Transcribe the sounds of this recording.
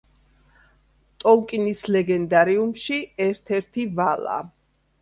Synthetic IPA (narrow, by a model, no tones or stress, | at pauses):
t̪ʼɔlˠkʼinislɛɡɛnd̪aɾiumʃiɛɾt̪ʰɛɾt̪ʰivalˠa̰